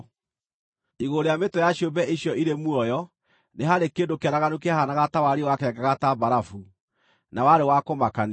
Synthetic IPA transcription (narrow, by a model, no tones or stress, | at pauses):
iɣoɾeametɔjaɕjobɛʔiɕjɔʔiɾemuɔjɔ | neɦaɾekeːdokeanaɣanuk̬eahanaɣatawaɾewakɛɛɡaɣatabaɾafu | nawaɾewakomakan